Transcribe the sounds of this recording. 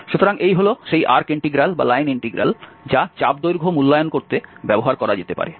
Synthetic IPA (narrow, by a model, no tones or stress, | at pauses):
ʃut̪ʰoɾaŋʔejɦoloʃejʔaɾkiɳʈiɡɾalba̰lajniɳʈiɡɾa̰l | d͡ʑat͡ɕabd̪ojɾɡʱomulːajonkoɾt̪ebɛboɦaɾkɔɾad͡ʑet̪epa̰ɾe